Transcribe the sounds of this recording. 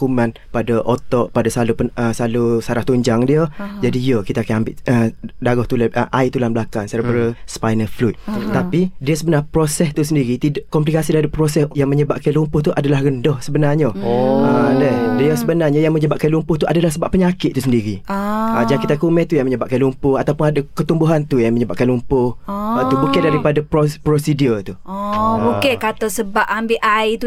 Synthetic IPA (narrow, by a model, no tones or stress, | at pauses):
kumãn | padəʔot̪ɔʔpadasalupəəsalusaɾaht̪uɲd͡ʒaŋdiəd͡ʒadijəkit̪akanambɪʔədaɡɔht̪ulaʔə̰ʔait̪ulanblakansaɾabəɾəspajnəflut̪̚t̪apidiəsəbənapɾosɛst̪usəndiɾit̪idakɔmplikasidaɾipɾosɛsjaŋməɲəbaʔkanlumpʊht̪uʔadalahrəndɔhsəbənaɲəədɛdijasəbənarɲajaŋməɲəbaʔ̚kanlumpʊht̪uadalahsəbaʔpːəɲakɪt̪t̪usəndiɾiad͡ʒakit̪akumɛht̪ujaŋməɲəbaʔ̚kanlumpʊhat̪awpʊnadakət̪umbuɦant̪ujaŋməɲəba̰ʔ̚kanlumpʊhat̪ubukandaɾipadapɾopɾosidjut̪u | okekat̪asəbap̚ambiʔajt̪u